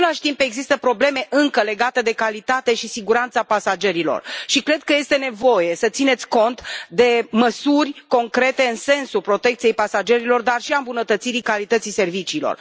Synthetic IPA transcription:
elaʃt̪impe̞ɡzist̪əpɾo̞ble̞me̞ʔɨŋkəle̞ɡat̪ed̪e̞kalit̪at̪e̞ʃisiɡuɾant̪sapasad͡ʒe̞ɾilo̞̰rʃikɾe̞d̪̚kəje̞st̪e̞ne̞vo̞je̞sət̪sine̞t̪sʲko̞nt̪d̪e̞məsurʲko̞ŋkɾe̞t̪e̞ɨnse̞nsupɾo̞t̪e̞k̚t̪sje̞jpasad͡ʒe̞ɾilo̞rd̪arʃiambunət̪ət̪siɾikalit̪ət̪sise̞rvit͡ʃiːlo̰r

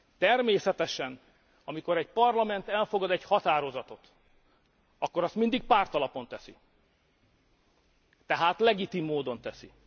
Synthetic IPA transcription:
t̪ɛrmeːsɛt̪ɛʃɛn | ɒmiko̞ɾɛɟpɒrlɒmɛnt̪ɛlfo̞ɡɒd̪ɛchɒt̪aːɾo̞zɒt̪o̞t̪ | ɒkːo̞ɾɒst̪mind̪ik̚paːrt̪ɒlɒpo̞nt̪ɛsḭ | t̪ɛɦaːt̪lɛɡit̪imːoːd̪o̞nt̪ɛsḭ

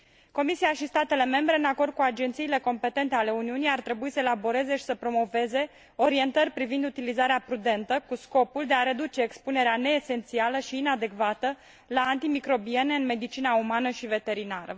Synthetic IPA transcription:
ko̞misiaʃist̪at̪e̞le̞me̞mbɾe̞ɨnako̞rd̪̚kuad͡ʒent̪siːle̞ko̞mpe̞t̪e̞nt̪e̞ale̞uniunijart̪ɾe̞buisəelabo̞ɾe̞ze̞ʃi̥səpɾo̞mo̞ve̞ze̞ | o̞ɾie̞nt̪ərʲpɾivind̪ut̪ilizaɾeapɾud̪e̞nt̪əkusko̞puld̪e̞aɾe̞d̪ut͡ʃe̞ːkspune̞ɾeane̞ːse̞nt̪sialəʃiːnad̪e̞kvat̪ə | laːnt̪imikɾo̞bie̞ne̞ɨnme̞d̪it͡ʃinaumanəʃive̞t̪e̞ɾinaɾə̰

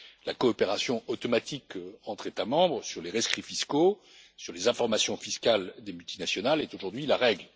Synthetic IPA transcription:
lakɔːpeʁasjɔ̃ot̪ɔmat̪ʰikɑ̃t̪χet̪amɑ̃bʁsyʁleʁɛskχifisko | syʁlezɛ̃fɔʁmasjɔ̃fiskald̪emylt̪inasjɔnalɛt̪oʒuʁd̪ɥilaʁɛɡl

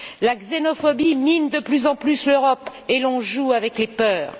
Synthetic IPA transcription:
laɡzenɔfɔbimind̪əplyzɑ̃plysløʁɔpelɔ̃ʒuavɛklepœːʁ

